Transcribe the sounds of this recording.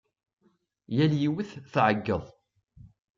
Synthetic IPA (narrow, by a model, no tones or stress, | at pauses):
jæljiwəθθʕəɡːəðˤ